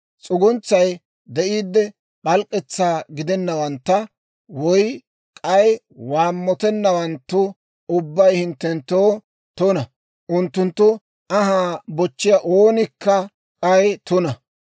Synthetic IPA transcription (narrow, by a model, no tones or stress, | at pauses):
t͡sʼʊɡʊnt͡sːɐj | d̪ɛʔiːd̪ːɛ | ɓɐlkʼːɛt͡sːaːɡɪd̪ɛnːɐwɐnt̪ːɐ | wɔj | kʼɐj | waːmːɔt̪ɛnːɐwɐnt̪ːʊ | ʊbːɐjhɪnt̪ːɛnt̪ːoː | t̪ʊnɐ | ʔʊnt̪ːʊnt̪ːʊ | ʔɐɦaːbɔt͡ʃːɪjaʔoːnɪkːɐ | kʼɐjt̪ʊnɐ